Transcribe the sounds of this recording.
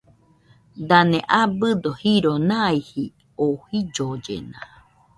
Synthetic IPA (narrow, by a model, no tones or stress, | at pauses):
d̪anẽʔabɨd̪ohiɾonãihi | ohid͡ʒod͡ʒḛna